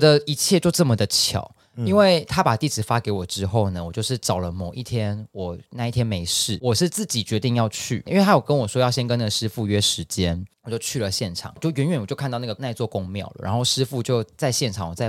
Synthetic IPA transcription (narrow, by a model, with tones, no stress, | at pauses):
d̪ə˨i˧˥t͡ɕʰjɛ˥˧t͡ɕo˥˧ʊʈ͡ʂə˥˩mə˨˩d̪ə˩t͡ɕʰjɑ̰˨˩˦ʊ | i˦˥nwe˥˩ɪt̪ʰa˥pa˨˩t̪i˥˩t͡sɹ̩˨˩˦fa˦˥ke˧˥ɪwɔ˨˩ʈ͡ʂɻ̩˥xo˥˩ʊnə˩wɔ˨˩t͡ɕjo˥˧ʊʂɻ̩˥˩ʈ͡ʂɑ˨˩ʊlə˦mo˨˩ʊʔi˥˩t̪ʰjɛ˥nwɔ˨˩˦na˥˧i˥t̪ʰjɛ˥nme˧˥ɪʂɻ̩˥˩wɔ˨˩ʂɻ̩˥˧t͡sɹ̩˥˩t͡ɕi˨˩t͡ɕɥɛ˧˥t̪i˥˧ŋjɑ˥˧ʊt͡ɕʰy˥˩i˥nwe˥˩a˥jɔ˨˩kə˦˥nwɔ˨˩ʂwɔ˥jɑ˥˩ʊɕjɛ˥nkə˥n˨˩ʂɻ̩˥fu˥˧ɥɛ˥ʂɻ̩˧˦t͡ɕjɛ˦nwɔ˨˩t͡ɕjo˥˧ʊt͡ɕʰy˥˩lə˩ɕjɛ˥˩nʈ͡ʂʰɑ̰˨˩˦t͡ɕjo˥˩ʊɥɛ˧˥nɥɛ˨˦nwt͡ɕjkʰt̪ɑ˥˧ʊna˥˩ɡə˩na˥˧ɪt͡swɔ˥˨˩kʊ˥ŋmjɑ̰˥˩ʊlə̰˨˦ɻa̰˧˦nxo˥˩ʊʂɻ̩˥fu˥˧t͡ɕjo˥˧ʊt͡sa˥˧ɪɕjɛ˥˩nʈ͡ʂʰɑ˨˩ŋwɔ˨˩t͡sa˥˩ɪ